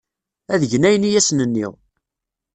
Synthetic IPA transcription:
æðəʝnæjənijæsnənːiʁ

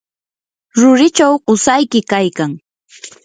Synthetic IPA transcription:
ɾʊɾɪt͡ʃawɢʊsajkɪkajkaŋ

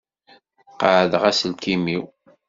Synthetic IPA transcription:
qəʕðʁæsəlkimiw

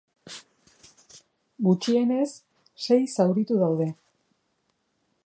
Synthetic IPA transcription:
ɡut͡ʃie̞ne̞sː | e̞jsawɾit̪uðawðe̞

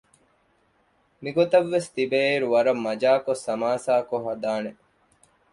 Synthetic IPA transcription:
miɡot̪ɐʋːest̪ibeːiɾuʋɐɾɐmːɐd͡ʒaːkosɐmaːsaːkoɦɐd̪aːne

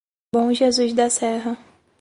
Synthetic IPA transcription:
bõw̃ʒezuzd̪ɐsɛɦɐ

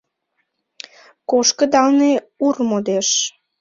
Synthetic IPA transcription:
koʃkə̆d̪ɑlne | urmod̪eʃ

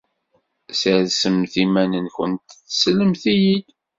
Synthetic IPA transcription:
səðsəmθimænənçə̰nt̪θsləmθijid̪

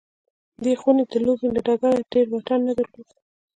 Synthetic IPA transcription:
d̪exuned̪əlobelaɖaɡaɾaɖeɾwaʈanːad̪əɾlod̪

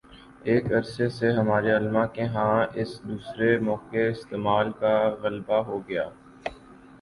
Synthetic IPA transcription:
eːkɐɾseseɦɐmaːɾeɐlmãkeɦãːɪsd̪uːsɾemɔːkeɪst̪eːmaːlkaɣɐlbaɦoɡɐjaː

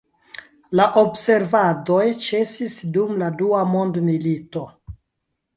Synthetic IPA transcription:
laʔo̞bse̞ɾvado̞jt͡ʃe̞sisdumladuamo̞ndmilito

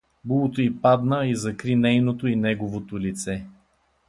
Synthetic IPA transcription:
bulˠot̪oipad̪nəizɐkɾinɛjnot̪oinɛɡovot̪olit̪sɛ

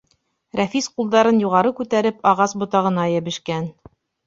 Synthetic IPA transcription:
ɾæfisqulˠd̪ɑɾɤnjuʁɑɾɤkʉt̪æɾɘpʰɑʁɑsbŏt̪ɑʁɤ̆nɑjæβɘ̆ʃkæn

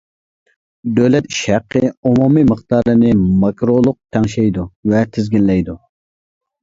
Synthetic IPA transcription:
d̪øwlɛt̪ʃæqʰːəumumiməχt̪ɑɾlɨnɪmɑkɾolˠʊq̚t̪ʰɛŋʃɛjd̪uvɛt̪ʰɪzɡʲinlɛjd̪u

